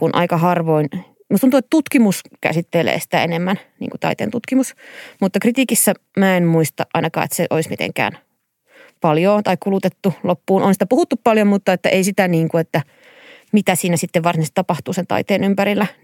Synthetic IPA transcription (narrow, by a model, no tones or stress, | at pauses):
kunʔɑ̰ikɑhɑrʋoin | must̪unt̪uet̪ːt̪ut̪kimuskæ̰sit̪ːelḛːsi̥t̪æḛnemːænnḭŋkut̪ɑ̰it̪ḛːnut̪kimusmut̪ːɑkrit̪iːkisːæmæːenmuist̪ɑ̰ʔʔɑ̰inɑkɑ̰ːḛt̪seʔoismḭt̪ḛŋkæ̰ːn | pɑljoːt̪ɑikkulut̪et̪ːulopːuːnʔonsit̪æpuhut̪ːuppɑljommut̪ːɑet̪ːæʔeisit̪æniːŋkuet̪ːæ | mit̪æsiːnæsit̪ːeʋʋɑrsinst̪ɑpɑht̪uːsent̪ɑ̰it̪eːnympæɾilːæ